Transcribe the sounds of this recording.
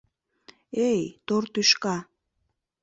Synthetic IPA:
ejt̪ort̪yʃkɑ

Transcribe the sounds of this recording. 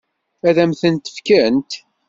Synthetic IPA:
æðæmθənt̪ə̥fkænt̪

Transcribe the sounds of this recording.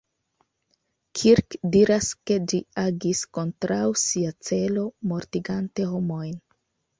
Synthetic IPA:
kʰiɾkdiɾaske̞d͡ʒiaɡisko̞ntɾawsiat͡se̞lo̞mo̞ɾtiɡante̞ɦo̞mo̞jn

